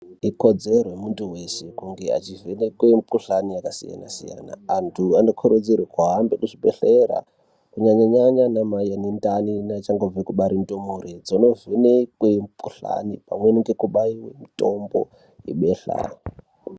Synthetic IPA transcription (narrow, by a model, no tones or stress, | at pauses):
iko̞d͡zerwemuntuwesekuŋɡe̞a̰t͡ʃivenekwempuɬanijakasḭja̰na̰sija̰na̰ːntʰuanokʰoɾod͡zirwekaɦambekuʐiɓḛɬeɾa̰ | kuɲaɲaɲaɲanamajenendaninat͡ʃaŋɡovekuɓaɾimitomuɾed͡zono̞venekwempuɬa̰nipa̰mweniŋɡe̞kuɓaiwḛmitombo̞̰ | ḭɓeɬa̰